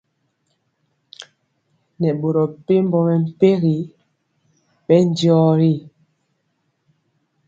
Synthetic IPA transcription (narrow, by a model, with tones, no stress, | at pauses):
nɛ˨ɓo˨ɾɔ˨pe˦m̩˦bɔ˦mɛ˨m̩˨pe˦ɣi˨˦ | ɓɛ˦n̩˦djɔ˦ɾi˦˨